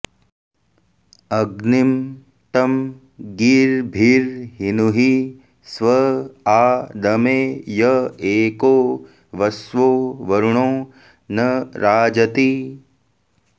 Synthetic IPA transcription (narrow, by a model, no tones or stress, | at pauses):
ɐɡnim | ʈ̪ɐm | ɡiːɾbʱiːɾɦinuɦi | sʋɐaːd̪ɐmeːjɐeːkoː | ʋɐsʋoːʋɐɾuɳõː | nɐɾaːd͡ʒɐt̪i